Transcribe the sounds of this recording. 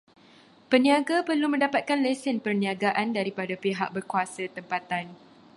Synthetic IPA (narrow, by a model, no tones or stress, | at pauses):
pəniãɡapərlumə̃ndapat̪̚kanlesənpərniãɡaʔandaɾipadapiɦaʔ̚bərkuasət̪əmpat̪an